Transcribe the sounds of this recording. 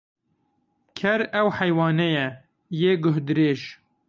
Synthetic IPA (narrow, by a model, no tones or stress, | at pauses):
kʰɛɾɛwħɛjwɑːnɛjɛ | jeːɡʊɦd̪ɨɾeːʒ